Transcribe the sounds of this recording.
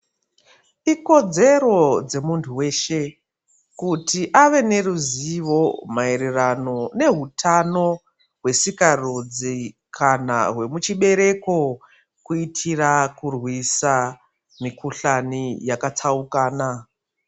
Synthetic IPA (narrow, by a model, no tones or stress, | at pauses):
iko̞d͡ze̞ɾo̞d͡ze̞muntʰuwe̞ːʃe̞ | kutiʔaʋe̞ne̞ruziʋo̞maeɾirano̞ne̞ɦutʰano̞ | ɦwe̞sikarod͡zi | kʰana̰ɦwe̞mut͡ʃiɓe̞ɾe̞ko̞ | kuitʰirakurwisa | mikuɬanijakat͡saukaːna